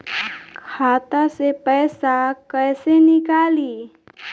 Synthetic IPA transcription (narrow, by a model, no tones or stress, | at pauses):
kʰaːt̪asepɛːsakəɪsenɪkaːliː